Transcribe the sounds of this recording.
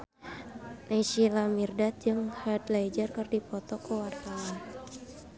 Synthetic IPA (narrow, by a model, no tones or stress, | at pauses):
nasilamirdat̪̚d͡ʒɨŋhadlajd͡ʒərkɨrdipɔt̪ɔkəwart̪awan